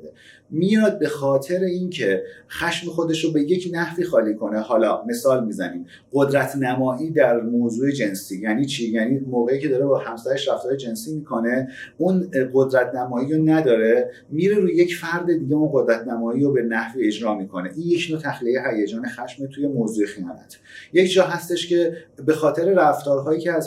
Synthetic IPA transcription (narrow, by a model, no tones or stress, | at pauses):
e | miɒd̪̚be̞xɒːt̪ʰe̞ɾeincʰe̞xæʃmexo̞d̪e̞ʃobe̞jecʰnæhviːxɒːliːkʰo̞ne̞hɒːlɒːme̞sɒːlmiːzæniːm | ɢod̪ɾæt̪ʰnæmɒːʔiːd̪æɾmoːzuːed͡ʒe̞nsiːjæːniːt͡ʃʰiːjæniːmoːɣeiːcʰed̪ɒːɾebɒːhæmsæɾe̞ʃɾæft̪ɒːɾed͡ʒe̞nsiːmiːkʰo̞ne̞unɢo̞d̪ɾæt̪ʰnæmɒːiɾonæd̪ɒːɾe̞ | miːɾe̞ɾuːje̞cfæɾd̪e̞d̪iːɟeunɢo̞d̪ɾæt̪ʰnæmɒːiːɾobe̞næhviːe̞d͡ʒɾɒːmikʰo̞ne̞ʔiːnje̞cʰnoːt̪ʰæxliejeɦæjed͡ʒɒːnexæʃmet̪ʰuje̞moːzuːexijɒ̰ːnæ̰t̪ʰ | jecʰd͡ʒɒːɦæst̪e̞ʃce̞be̞xɒːt̪ʰe̞ɾe̞ɾæft̪ɒːɾɦɒːjiːcʰeæz